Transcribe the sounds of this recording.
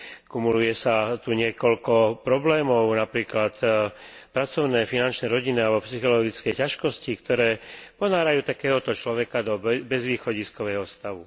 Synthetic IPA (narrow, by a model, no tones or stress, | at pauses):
kumulujɛsat̪uɲɪɛkɔlkɔpɾɔblɛːmɔʊnapɾiːklat̪pɾat͡sɔʊnɛːfinant͡ʃnɛɾɔɟinialbɔpsixɔlɔɡit͡skɛjcaʃkɔscikt̪ɔɾɛːpɔnaːɾajuːt̪akɛːɦɔt̪ɔt͡ʃlɔʋɛkad̪ɔbɛzʋiːxɔɟiskɔʋɛːɦɔst̪aʋu